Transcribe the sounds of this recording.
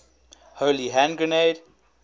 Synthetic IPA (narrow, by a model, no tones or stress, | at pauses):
hoːliɦæ̃nɡɹəneɪd